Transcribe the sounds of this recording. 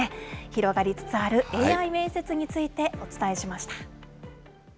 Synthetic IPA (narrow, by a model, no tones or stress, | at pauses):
eçiɾo̞ɡaɾʲit͡sɨ̥t͡sɨaɾɯ̟ʔe̞ːaime̞ːse̞t͡sɨɲ̟it͡sɨit̪e̞o̞t͡sɨ̥t̪ae̞ɕimaɕi̥t̪ḁ